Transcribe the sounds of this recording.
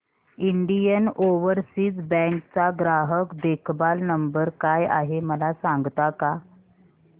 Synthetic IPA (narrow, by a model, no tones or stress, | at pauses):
iɳɖijənoʋəɾsiːt͡sbɛ̃ŋk̚t͡saɡɾaɦəkd̪ekʰbalnəmbəɾkaja̰ɦeməlasaŋɡt̪aka